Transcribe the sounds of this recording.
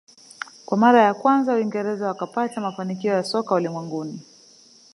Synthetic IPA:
kwamaɾajakwanzawiŋɡɛɾɛzawakapatamafanikiɔjasɔkaulimwɛŋɡuni

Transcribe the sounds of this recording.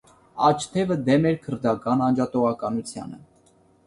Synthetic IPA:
ɑt͡ʃʰt̪ʰɛvəd̪ɛmɛɾkʰəɾd̪ɑkɑnɑnd͡ʒɑt̪ɔʁɑkɑnut͡sʰjɑ̰nə̰

